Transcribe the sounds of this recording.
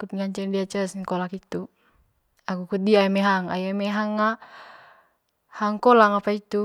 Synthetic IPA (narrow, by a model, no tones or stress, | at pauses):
kut̪̚ŋaɲt͡ʃɛndiat͡ʃasŋkɔlakit̪u | akukut̪̚diaamɛɦaŋa̰jamɛɦaŋːa | haŋkɔlaŋapait̪u